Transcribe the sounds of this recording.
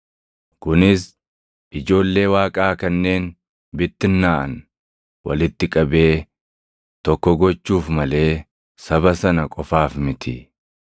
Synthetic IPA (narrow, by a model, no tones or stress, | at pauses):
kʊnɪs | ʔɪd͡ʒo̞ːlːe̞ːwaːkʼaːkɐnːe̞ːn | bɪt̪ːɪnːaːʔɐ̰n | wɐ̰lɪt̪ːɪkʼɐbe̞ː | t̪ɔkːɔɡɔt͡ʃːuːfmɐle̞ː | sɐbɐsɐnɐkʼɔfaːfmɪt̪ʰɪ